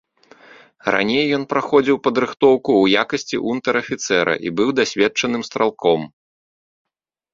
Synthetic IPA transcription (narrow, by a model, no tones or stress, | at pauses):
ra̰nʲejːɔn̪pɾaxɔd͡zʲiwpɐd̪ɾɨxt̪ɔwkuwjakɐsʲt͡sʲḭʔunt̪ɐɾɐfʲit̪sɛɾɐ̰ʔḭbɨwd̪asʲvʲɛt̚t͡ʂɐnɨmst̪ɾalˠkɔm